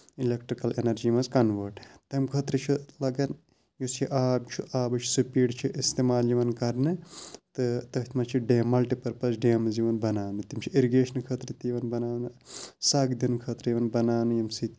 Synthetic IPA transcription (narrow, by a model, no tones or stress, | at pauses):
ilekʈɾikɐlenɐɾd͡ʒimɐzkɐnʋəɾʈt̪ɐmkʰɐt̪ɾɐt͡ʃʰilɐɡɐn | jusiʔaːbt͡ʃʰuʔaːbɐt͡ʃʰu̥supiːɖt͡ʃʰiʔist̪emaːljiʋɐnkɐɾnɨt̪ɨt̪ɐt̪ʰmɐt͡ʃʰiɖeːmːɐlʈipɐɾpɐsʰɖeːmziʋɐnbɐnaːnɨt̪imt͡ʃʰiiɾiɡeːʃɐnkʰɐt̪ɾɨt̪ijʋɐnbɐnaːnɨsaɡd̪inkʰɐt̪ɾɐjiʋɐnbɐnaːnɨjɐmsit̪